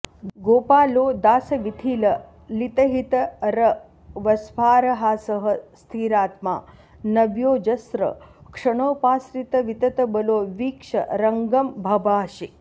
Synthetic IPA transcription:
ɡoːpaːloːd̪aːsɐʋit̪ʰiːlɐ | lit̪ɐɦit̪ɐɾɐ | ʋɐsfaːɾɐɦaːsɐɦɐ̆st̪ʰiːɾaːt̪ma̰ː | nɐʋjoːd͡ʒɐsɾɐ̰kʂɐɳ̃ɐwpaːsɾit̪ɐʋit̪ɐt̪ɐbɐloːʋiːkʂɐ̰ɾɐŋɡɐmbʱɐbaːʃi

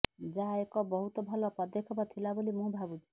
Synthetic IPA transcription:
d͡ʒaekɔbɔɦut̪ɔbʱɔlɔpɔd̪ekʰɔbat̪ʰilabolimũbʱabut͡ʃʰi̥

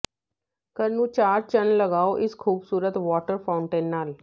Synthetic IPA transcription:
kəɾnũːt͡ʃaːɾt͡ʃənləɡaːoːʔɪskʰuːbsuːɾət̪ʋɔːʈəɾpʰaːʊɳʈẽːnːaːl

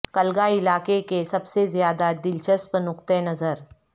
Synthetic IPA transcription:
kɐlɡaɪlaːkekesɐbsezjaːd̪ad̪ɪlt͡ʃəspənʊkt̪enɐzəɾ

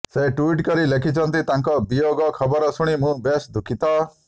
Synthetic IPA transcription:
seʈuiʈkɔɾilekʰit͡ʃʰɔnt̪it̪aŋkɔbijoɡɔkʰɔbɔɾɔsuɽ̃imũbesd̪ʱukʰit̪ɔ

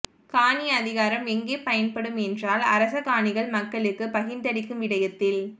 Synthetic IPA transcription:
kaːniɐðɪɣaːɾɐmɛŋɡeːpɐjɐnpɐɽɯmɛndraːlɐ̰ɾɐsɐkaːnɪɣɐɭmɐkːɐɭɯkːɯpɐɣɪnd̪ɐɽɪkːɯmʋɪɽɐjɐt̪ːɪl

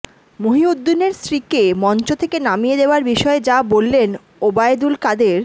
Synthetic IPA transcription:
moɦiud̪ːineɾsɾikemɔnt͡ɕot̪ʰekenamijed̪eoaɾbiʃɔed͡ʑabolːen | obaed̪ulkad̪eɾ

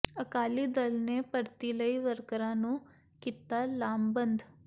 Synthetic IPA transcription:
əkaːliːd̪ɐlnepəɾt̪iləiʋəɾkɾãːnũː | kit̪alaːmbənd̪

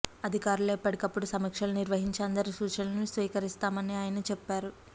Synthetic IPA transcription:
ɐd̪ʱikaːɾuleːpːɐɽikɐpːuɽusɐmɐkʂɐluniɾʋɐɦiɲt͡ʃɐnd̪ɐɾisuːt͡ʃɐlɐnusʋiːkɐɾist̪aːmɐniaːjɐnɐt͡ʃɛpːaːɾu

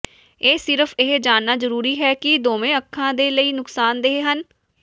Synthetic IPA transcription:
eːsɪɾəfʰɪɦd͡ʒaːnːaːzəɾuːɾiːɦɛːkɪd̪oːmẽːəkʰːãːd̪eːləiːnʊksaːnd̪eɦeːɦən

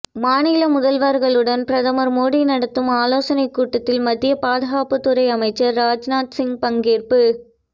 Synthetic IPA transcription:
maːnɪlɐmʊðɐlʋaːɾɣɐɭɯɽɐnpɪɾɐðɐmɐɾmoːɽinɐɽɐt̪ːɯmaːloːsɐnɐɪkːuːʈːɐt̪ːɪlmɐd̪ðɪjɐpaːðɐɣaːpɯt̪ːɯɾɐɪɐmɐɪt͡ʃːɐɾːaːd͡ʒnaːt̪sɪŋpɐŋɡeːrpɯ

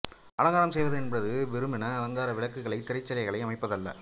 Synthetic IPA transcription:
ʔɐlɐŋɡaːɾɐmsɛjʋɐðɯɛnbɐɾɐðɯʋɛɾɯmɪnɐɐlɐŋɡ̪aːɾɐʋɪɭɐkːɯɣɐɭɐɪt̪ɪɾɐɪt͡ʃːɐlɐɪɣɐɭɐɪɐmɐɪpːɐðɐlːɐ̰

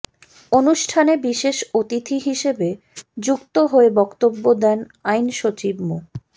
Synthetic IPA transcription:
onuʃʈʰanebiʃeʃot̪it̪ʰiɦiʃebe | d͡ʑukt̪oɦoebɔkt̪obːod̪ɛn | ajnʃot͡ɕibmo

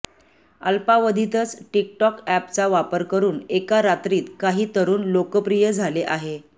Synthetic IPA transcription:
ə̰lpaʋəd̪ʱit̪ət͡sʈik̚ʈɔkæpt͡saʋapəɾkəɾuːnekaɾat̪ɾiːt̪kaɦiːt̪əɾuːnlokəpɾijəd͡zʱaleʔaɦe

